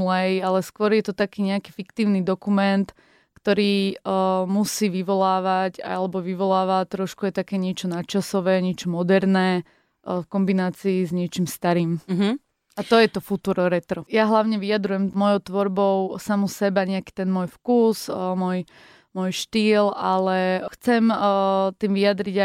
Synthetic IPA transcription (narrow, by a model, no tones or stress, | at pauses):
lɛjalɛskʋɔɾjɛt̪ɔt̪akiːɲɛaki̥ːfikt̪iːʊnid̪ɔkumɛnt̪ | kt̪ɔɾiː | musiːʋiʋɔlaːʋaca̰alɛbɔʋiʋɔlaːʋat̪ɾɔʃkuajt̪akɛːɲɪɛt͡ʃɔnat͡ʃasɔʋɛːɲɪɛt͡ʃɔmɔd̪ɛɾnɛː | fkɔmbinaːt͡siːzɲɛt͡ʃimst̪aɾiːmɦ | at̪ɔjɛt̪ɔfut̪uːɾɔɾɛt̪ɾɔjaɦlaʊɲɛʋiad̪ɾujɛmmɔjɔʊt̪ʋɔɾbɔʊsamusɛbaɲɛaki̥t̪ɛnmɔjfkuːsmɔj | mɔjʃt̪iːlalɛxt͡sɛmt̪iːmʋiad̪ɾiɟa